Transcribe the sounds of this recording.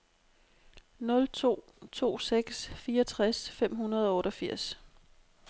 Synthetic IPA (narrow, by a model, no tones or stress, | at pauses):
nɔ̽lt͡sʰo̝̰ː | t͡sʰo̝̰ːseɡ̥sfiːɐɒt͡sʰʁasfem̰ɦunɐð̞ˠɒ̽ɔ̽ːɾ̥ɒ̽fiɐ̰s